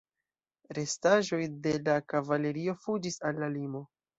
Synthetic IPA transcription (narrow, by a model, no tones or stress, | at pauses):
ɾe̞staʒo̞jde̞lakavale̞ɾio̞fud͡ʒisalːalimo̞